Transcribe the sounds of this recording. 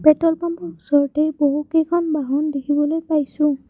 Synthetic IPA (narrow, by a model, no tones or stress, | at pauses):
b̥ɛtɔlpambɔusɔɹɔtejboɦukejkʰɔnbaɦɔndekʰibɔlojpajsʊ̃